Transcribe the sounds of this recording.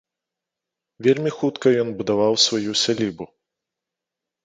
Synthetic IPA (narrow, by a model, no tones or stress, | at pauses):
vʲelʲmʲixut̪kɐjɔnbud̪avawsvajusʲalʲibu